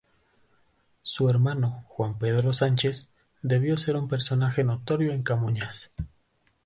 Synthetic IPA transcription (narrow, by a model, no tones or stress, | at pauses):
sueɾmano̞xwampe̞ðɾo̞sant͡ʃe̞s | d̪e̞βjo̞se̞ɾumpe̞ɾso̞naxe̞no̞t̪o̞ɾjo̞eŋkamuɲas